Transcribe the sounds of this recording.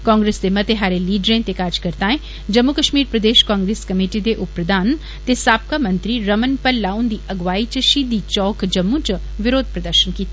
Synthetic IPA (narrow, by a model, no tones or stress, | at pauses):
kɔ̃ːŋɡɾeːsd̪emɐt̪eɦaːɾeliːɖɾẽt̪ekaːɾd͡ʒkəɾt̪aːẽ | d͡ʒɐmːukəʃmiːɾpɾəd̪eːʃkãːŋɡɾeːskɐmeːʈid̪eʔʊpɾəd̪aːn | t̪esaːp̚kamɐ̃nt̪ɾiɾɐmənpəlːaːũnd̪iːʔɐɡʋaːit͡ʃəʃiːd̪iːt͡ʃɔːkd͡ʒɐmːũt͡ʃ | ʋɪɾoːd̪̚ʱpɾɐd̪əɾʃənkiːt̪ː